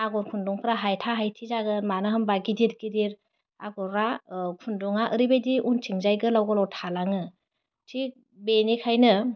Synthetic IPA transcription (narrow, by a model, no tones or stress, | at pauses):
aɡɔɾkʰundɔŋpʰɾaɦajtʰaɦajtʰizaɡɯnmanɯɦɯmbaɡidiɾɡidiɾ | aɡɔɾakʰundɔŋaʔɯɾibejdiʔuntʰiŋzajɡɯlawɡɔlawtʰalaŋɯ | tʰi | benikʰajnɯ